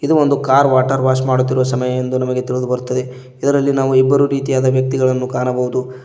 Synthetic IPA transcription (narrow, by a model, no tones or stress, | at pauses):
id̪uo̞nd̪ukaːɾʋaːʈɐɾʋaːʃmaːɽut̪ːiɾuʋɐsɐmɐjɐend̪unɐmɐɡe̞t̪iɭud̪ubɐɾut̪ːɐd̪e̞ | id̪ɐɾɐlːinaːʋuibːɐɾuɾiːt̪ijaːd̪ɐʋjɐk̚t̪iɡɐɭɐnːukaːnɐbɐɦud̪u